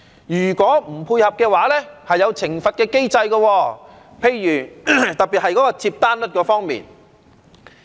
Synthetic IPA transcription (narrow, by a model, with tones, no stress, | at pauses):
jyː˨˩kɔː˨˥m̩˨˩pʰuː˧jhɐ˨p̚kɛː˧waː˨˥lɛː˥hɐ˨jːɐ˨˧wt͡sʰɪ˨˩ŋfɐ˨t̚kɛː˧ke˥jt͡sɐ˧jkɔ˧wɔː˧ | pʰe˧jɥyː˨˩t̪ɐ˨k̚piː˨t̚hɐ˨jkɔː˨˥kɔː˧t͡sʰiː˧p̚t̪aː˥nlɵ˥t̚kɔː˧fɔː˥ŋmḭː˨˩n